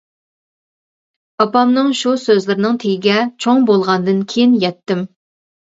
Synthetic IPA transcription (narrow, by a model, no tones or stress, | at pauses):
pɑpɑmnɨŋʃusøzlɪɾɪnɨŋt̪ʰeɡɪɡʲɛt͡ʃʰoŋbolˠʁɑnd̪ɨnkʲʰejinjɛt̪ːɪm